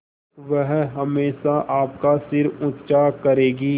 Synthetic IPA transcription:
ʋɛɦɦɐmeːʃaʔaːpkasɪɾʊtt͡ʃakɐɾeːɡiː

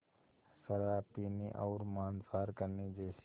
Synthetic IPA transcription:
səɾaːpiːniʔɔːɾmãːnsaːɾkəɾnid͡ʒɛːs

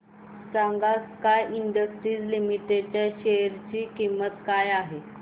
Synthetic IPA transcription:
saŋɡakajiɳɖəsʈɾiːd͡zlimiʈet͡ɕaɕeɾt͡ɕiːkimːət̪kajaɦe

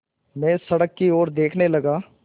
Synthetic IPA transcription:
mɛ̃ːsəɽəkːioːɾd̪eːkʰneləɡaː

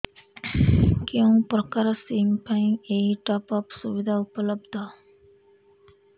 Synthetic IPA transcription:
kẽpɾɔkaɾsimpaĩeɦiʈapɔpsuʋid̪ʱaupələbd̪ʱa

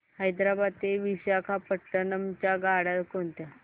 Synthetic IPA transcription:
həjd̪ɾabad̪t̪eʋiɕakʰapəʈːənəmt͡ɕjaɡaɽalkoɳt̪ja

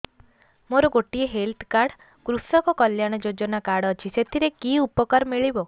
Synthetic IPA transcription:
moɾɔɡoʈieɦelt̪ʰkaɾɽ | kɾusɔkɔkɔljaɽ̃ɔd͡ʒod͡ʒɔnakaɽɔːt͡ʃʰiset̪ʰiɾekiupɔkaɾɔmiɭibɔ

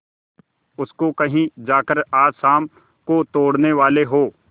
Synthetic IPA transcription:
ʊskokɐɦĩd͡ʒaːkəɾaːd͡ʒsaːm | kot̪oːɽneʋaːleɦoː

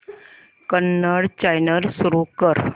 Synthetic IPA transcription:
kənːəɽt͡ɕajnəɾsuɾukəɾ

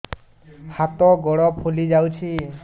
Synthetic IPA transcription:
hat̪ɔɡɔɽɔpholizawt͡ʃʰi

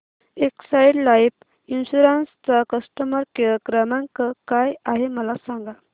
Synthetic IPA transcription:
eksajɽlajp | inɕuɾanst͡sakəsʈəməɾkəɾəkɾəmãŋkəkajaɦeməlasaŋɡa

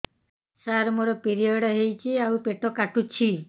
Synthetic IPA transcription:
saɾmoɾɔpiɾiɔɽɔɦejt͡ʃʰiawpeʈʰɔkaʈut͡ʃʰi

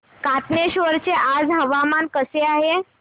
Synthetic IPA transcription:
kat̪neɕʋəɾt͡ɕeʔad͡zɦəʋamankəseaɦe

